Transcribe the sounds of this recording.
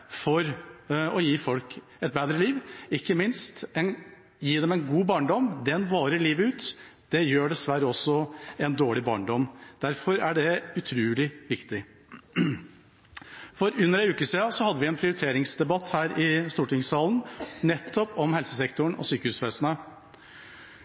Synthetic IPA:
fɔɾɔjiːfɔlk | ɛt̪̚beːd̪ɾəliːʋɪkːəmɪnst̪ɛn | jiːd̪ɛmɛɪnɡuːbɑːɳɖɔmd̪ɛnʋɑːɾəliːʋəʉːt̪d̪̥ɛjøːɖɛsʋæɾəɔsːɔɛnd̪oːɭɪbɑ̰ːɳɖɔmːd̪̥æɾfɔɾæɖɛʉt̪ʰɾʉːlɪʋɪkt̪ɪ | fɔɾʉnːəɾæɪʉːkəsiːɑsɔhɑd̪ːəʋɪɛnpʰɾɪʊɾɪt̪ʰeːɾɪŋsd̪ɛbɑt̪hæːɾʔɪst̪uːʈɪŋsɑːlnnɛt̪ʰːɔpɔmhɛlsəsɛkt̪ʊɳ̩ɔ̰syːkəhʉːsʋɛːsnə

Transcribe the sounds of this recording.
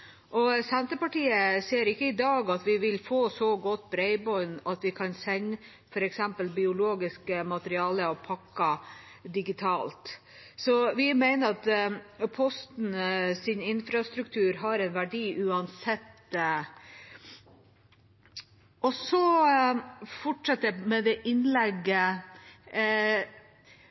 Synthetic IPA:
ʔɔsɛnt̪əpɑʈiːəseːɾɪkːəɪd̪ɑːɡɑt̪ʋɪʋɪlfoːsɔɡɔt̪ːbɾɛɪbɔʏnɑt̪ʋɪkʰɑnsɛɲ | fɔɾɛksɛmpəlbɪʊloːɡɪskəmɑt̪əɾɪɑːləɔpʰɑkːɑ | d̪ɪɡɪt̪ʰɑːlt̪ | sɔʋɪmæɪnəɾɑt̪pʰɔst̪n̩sɪnɪnfɾɑst̪ɾʉkt̪ʰʉːɾɦɑɾɛɪnʋæɖiːʔʉːɑnsɛt̪ː | ʔɔsɔ | fɔʈʂɑt̪ːəmɛd̪ɛʔɪnlɛɡə

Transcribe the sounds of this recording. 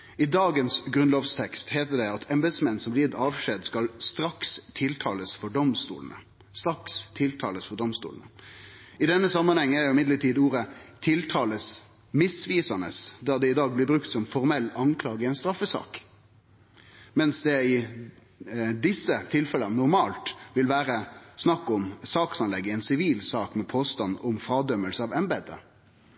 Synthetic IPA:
ɪd̪ɑːɡənsɡɾʉnloːʋst̪ʰɛkst̪heːt̪əɖ̪ɛɑt̪ʰɛmbəd̪smɛnːsɔmblɪːt̪ɑːʋʂeːd̪skɑlst̪ɾɑkst̪ʰɪlt̪ʰɑ̰ːləsfɔɖɔmst̪ṵːlənə̰ | st̪ɾɑkst̪ʰɪlt̪ʰɑ̰ːləsfɔd̪ɔmst̪ṵːlnə | ɪd̪ɛnːəsɑmːɑnhɛŋːæɾjʊɪmɪd̪ləʈʰiːd̪uːɾət̪ʰɪlt̪ʰɑːləs | mɪsʋiːsɑnə̰sd̪ɑd̪ɛɪd̪ɑːɡ̚blɪbɾʉkt̪sɔmfɔɾmɛlːɑŋkʰlɑːɡəɪɛɪnst̪ɾɑfːəsɑ̰ːk | mɛnsd̪ɛɪ | d̪ɪsːət̪ʰɪlfɛlənnɔɾmɑːlt̪ʋɪlʋæːɾəsnɑkːɔmsɑːksɑnlɛɡːəɛnsɪʋiːlsɑːkmɛpʰoːst̪ɑnːɔmfɾɑːd̪œmːəlsəɑːʋɛmbɛd̪ə̰

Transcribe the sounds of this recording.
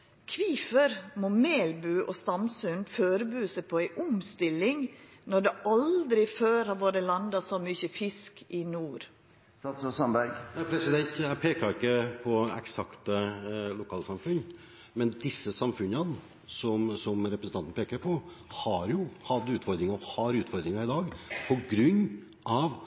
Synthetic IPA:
kʰʋiːfəɾmɔmeːlbʉːʔɔst̪ɑmsʉnføːɾəbʉːsɛpʰɔæɪʔʊmst̪ɪlɪŋnɔɖɛʔɑld̪ɾɪføːɾhɑʋoːɾəlɑnd̪ɑsɔmyçəfɪskʰɪnuːɾ | sɑt̪sɔsɑmbæɾɡæpʰɾɛsɪd̪ɛnt̪jæpʰeːkɑɾɪkːəpʰɔɛ̰ksɑkt̪əlʊkʰɑːlsɑmfʉnː | mɛnd̪ɪsːəsɑmfʉnən | sɔmsɔmɾɛpɾəsn̩ɑnt̪npeːkəɾpʰɔhɑɾjʊhɑd̪ʉːt̪fɔɾd̪ɾɪŋɑɔhɑɾʉːt̪fɔɾd̪ɾɪŋɑɪd̪ɑːɡpʰɔɡɾʉnː | ɑʋ

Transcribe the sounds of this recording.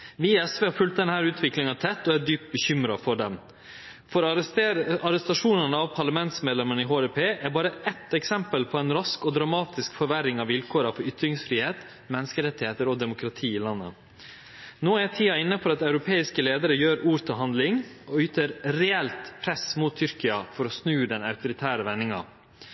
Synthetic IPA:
ʋiɛsʋeːhɑːɾfʉlt̪̚d̪ɛnhæːɾʉːt̪ʰʋɪklɪŋɑt̪ʰɛt̪ːɔæd̪yːp̚t̪̚bəçʏmɾɑfɔɖɛm | fɔɾ | ɑɾɛst̪ɑʂuːnənəɑʋpʰɑɾɭɑmɛnt̪smeːd̪lɛmənəɪɦoːɛpʰeːʔæɾbɑːɾəɛt̪ɛksɛmpəlpʰɔɛnɾɑskɔd̪ɾɑmɑːt̪ɪskfɔɾʋæɾɪŋɑʋʋɪlkʰoːɾɑfɔɾʏt̪ɾɪŋsfɾiːheːt̪ | mɛnːəskəɾɛt̪ːɪheːt̪əɾɔd̪ɛmʊkʰɾɑt̪ʰiːɪlɑnːə̰ | noːæt̪ʰiːɑɪnːəpʰɔɑt̪ɑʉɾʊpʰeːɪskəleːd̪əɾəjøːɾuːɾt̪ʰɪlɦɑnd̪lɪŋɔyːt̪əɾɾɛɛlt̪pʰɾɛsmuːt̪ʰːʏɾkɪɑfɔɾɔsnʉːd̪ɛnɑʉt̪ʊɾɪt̪ʰæːɾəʋɛnːɪŋɑ̰

